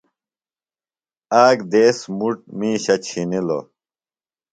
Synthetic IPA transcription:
aːɡd̪eːsmuʈ̚mĩːɕɐt͡ɕʰinilo̰

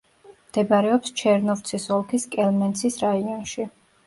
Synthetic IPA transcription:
md̪̥ɛbaɾɛɔpst͡ʃʰɛɾnɔft̪sʰisɔlˠkʰiskʼɛlmɛnt̪sʰisɾaiɔnʃi

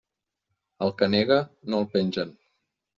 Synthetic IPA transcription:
əlˠkəneɣənolˠpenʲʒən

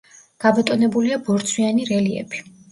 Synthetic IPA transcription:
ɡ̥abɔt̪ʼɔnɛbuliabɔɾt̪sʰwianiɾɛliɛ̰bi

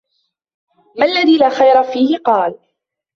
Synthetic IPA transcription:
malːaðiːlaːxajɾˤafiːhɪqɑːl

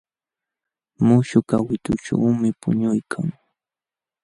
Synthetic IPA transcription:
mʊʃʊkawɪt̪ʊʈ͡ʂawmɪpʊ̰ɲʊjkʰaŋ

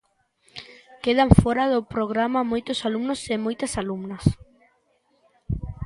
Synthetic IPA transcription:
keðaɱfɔɾɐðopɾoɣ̞ɾamamojt̪osalumnosemojt̪ɐsalumnɐs

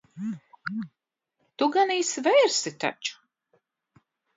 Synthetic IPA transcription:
t̪uɡaniːsvɛjɾsit̪a̰t͡ʃu̥

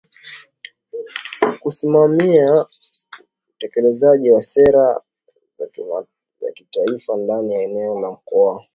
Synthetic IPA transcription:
kusimamia | utɛkɛlɛzaʄiwasɛɾa | ja̰kitaifandanijaɛnɛɔlam̩kɔa

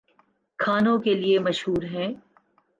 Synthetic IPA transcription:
kʰaːnõkeliemɐʃɦuːɾɦɛ̃ː

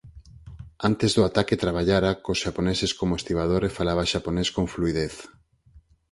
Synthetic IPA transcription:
ant̪ezðʊat̪aket̪ɾaβaʎaɾakosʃaponeseskomoest̪iβað̞oɾefalaβ̞aʃaponeskoŋfluiðeθ

